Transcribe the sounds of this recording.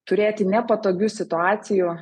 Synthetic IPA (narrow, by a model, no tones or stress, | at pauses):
t̪ʊɾʲeːt̪ʲɪnʲɛpɐt̪oːɡʲuːsʲɪt̪ʊɑːt̪sʲɪju